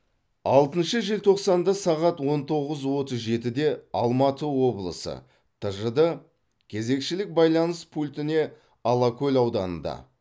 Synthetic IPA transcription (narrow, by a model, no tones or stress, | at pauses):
ɑlˠt̪ənʃəʒelt̪ʰo̞qsɑnd̪ɑsɑʁɑt̪wo̞nt̪ʰo̞ʁəzwo̞t̪əzʒe̞t̪ɪd̪e̞ɑ̰lˠmɑt̪əwo̞blˠə̰sə̰ | t̪ʰəʒəd̪ə | kʲʰe̞ze̞kʃɪlɪk̚bɑjlˠɑnəspʰulʲt̪ɪne̞ | ɑlˠɑkʲʰɵlʲɑwd̪ɑnə̰nd̪ɑ̰